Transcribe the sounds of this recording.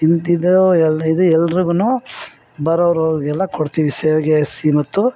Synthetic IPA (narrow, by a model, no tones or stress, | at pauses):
inid̪uɛlid̪uɛlːɾiɡunuː | bɐɾɐʋɾoːɡɛlːɐkoɽt̪iːʋiseɡesimɐt̪ːu